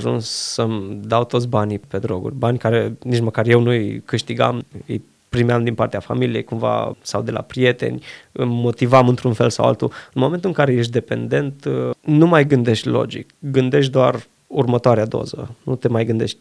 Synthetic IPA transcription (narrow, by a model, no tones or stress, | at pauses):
ʒṵnssəmd̪awt̪ot̪s̬ʲbanipe̞d̪ɾo̞̰ɡṵrʲbanʲkaɾe̞nit͡ʃməkarje̞wnujkɨʃt̪iɡa̰mɨ̰j | pɾimeamd̪inpart̪eafa̰milijejkumva̰sawd̪e̞lʔa̰pɾije̞t̪e̞̰nʲɨmo̞t̪ivamɨnt̪ɾunfe̞lsa̰wa̰lt̪ṵɨnmo̞me̞nt̪uɨŋkaɾe̞je̞ʃ̬t̪̚ʲd̪e̞pe̞̰nd̪e̞nt̪numajɡɨnd̪e̞ʃt̪ʲlo̞̰d͡ʒḭkɡɨnd̪e̞ʃ̬t̪ʲd̪oar | urmət̪oaɾead̪o̞̰zə̰nut̪e̞majɡɨnd̪e̞ʃt̪̚ʲ